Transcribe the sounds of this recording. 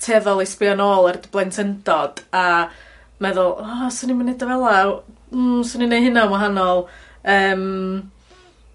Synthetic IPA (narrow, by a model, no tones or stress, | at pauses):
tʰɛðɔlˠejspanoːlˠɛrdəblˠɛntʰəndɔd̥a | mɛðʊlˠɔsənimɪnːedavɛlˠam̩ːsəninejɦɨnawaɦanɔlˠ | əːm